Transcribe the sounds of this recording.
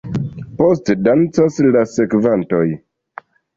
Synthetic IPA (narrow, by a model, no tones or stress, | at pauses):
postdant͡saslasekvantoj